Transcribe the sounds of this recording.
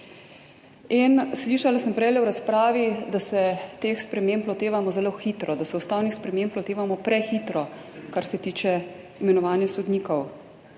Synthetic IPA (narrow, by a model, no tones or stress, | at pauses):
insliːʃalasəmpɾɛjlɛwɾaspɾaːʋid̪asɛt̪eːxspɾɛmemplɔt̪eːʋamɔzɛloxiːt̪ɾɔd̪asɛust̪aːwnixspɾɛmemplɔt̪eːʋamɔpɾɛxiːt̪ɾɔ | kaɾsɛt̪iːt͡ʃɛ | imɛnɔʋaːnjasɔd̪niːkɔw